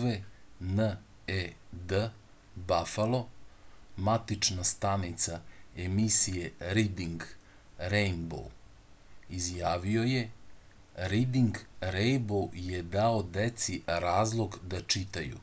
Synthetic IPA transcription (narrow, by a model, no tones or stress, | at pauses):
ʋenə | ed̪ə | bafalˠo̞ | mat̪it͡ʃnast̪anit̪saemisijeɾid̪iŋɡ | ɾejnbo̰w | izjaːʋio̞je̞ | ɾid̪iŋɡɾejnboje̞d̪aod̪et̪siɾaːzlˠo̞ɡd̪at͡ʂit̪ajṵ